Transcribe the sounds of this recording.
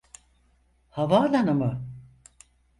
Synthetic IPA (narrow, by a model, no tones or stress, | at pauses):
havaːlanɯmɯ